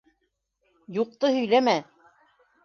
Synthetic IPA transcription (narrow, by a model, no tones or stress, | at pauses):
juq̚t̪ɤhɵ̆jlæmæ